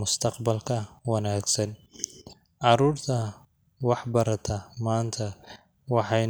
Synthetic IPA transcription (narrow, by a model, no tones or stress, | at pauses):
mʊst̪ʰɐqbɐlkʰɐwɑnaːɡsɐn | ʕɑɾuːrt̪ʰɐ | wɑħbɐɾɐt̪ʰɐmaːnt̪ʰɐ | wɑħɑj